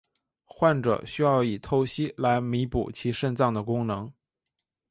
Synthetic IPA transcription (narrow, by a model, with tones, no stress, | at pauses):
xwa˥˩nʈ͡ʂɤ̰˨˩ɕy˥jɑ˥˩ʊi˨˩t̪ʰo˥˩ʊɕi˥la˧˥ɪmi˧˥pṵ˨˩t͡ɕʰi˧˥ʂə˥˧nt͡sɑ˥˩ŋd̪ə˩kʊ˥ŋnɤ˧˥ŋ